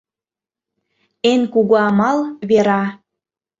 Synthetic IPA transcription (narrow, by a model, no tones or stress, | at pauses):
enkuɣoɑmɑlβeɾɑ